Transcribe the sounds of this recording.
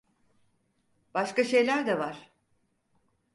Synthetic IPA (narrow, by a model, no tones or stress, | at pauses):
b̥aʃkaʃe̞jlʲæɾd̪ɛvaɾ̥